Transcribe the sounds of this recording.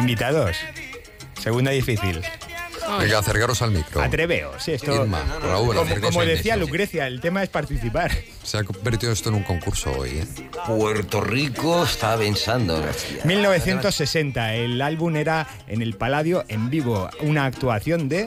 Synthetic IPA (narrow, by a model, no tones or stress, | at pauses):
imbit̪aðos | se̞ɣund̪aðifiθil | eŋɡaθeɾkaɾosalmḭkɾo̰a̰t̪ɾe̞βe̞̰o̰siest̪oima̰ra̰uomɾkkomoðeθialukɾeθjaelt̪e̞mae̞spaɾt̪iθipaɾ | seakombeɾt̪iðoest̪oenũŋkoŋkuɾso̰o̰je | pweɾt̪orikoest̪apensand̪o̰nḛḭmilno̞β̞eθje̞nt̪o̞sːe̞se̞nt̪aelalβune̞ɾa | e̞̰ne̞lpalaðjoʔe̞mbiβ̞ounaːk̚t̪uaθjo̞nd̪e̞